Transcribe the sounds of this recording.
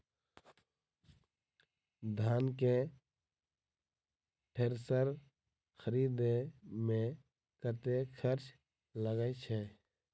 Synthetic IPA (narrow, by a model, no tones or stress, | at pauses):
d̪ʱaːnke | ʈʰeɾsəɾ | xʰəɾiːd̪emẽ | kəɾt̪ekʰəɾt͡ʃ | ləɡət͡ʃʰɛ